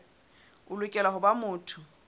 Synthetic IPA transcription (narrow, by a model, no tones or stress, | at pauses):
ʊlʊkʼɛlaɦʊbamʊːtʰʊ